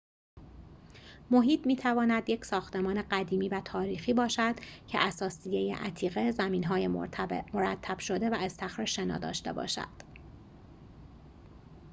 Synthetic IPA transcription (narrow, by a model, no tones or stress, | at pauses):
mo̞ɦiːt̪ʰmiːt̪ʰævɒːnæd̪je̞cʰsɒːxt̪e̞mɒːne̞ɢæd̪iːmiːvæt̪ʰɒːɾiːxiːbɒːʃæd̪̥cʰe̞̰ʔæsɒːsijejḛʔæ̰t̪ʰiːɣe̞zæmiːnɦɒːjemoɾæt̪ʰːæb̥ʃo̞d̪e̞væest̪ʰæxɾeʃe̞nɒ̰ːd̪ɒ̰ːʃt̪e̞̰bɒ̰ːʃæ̰d̪̥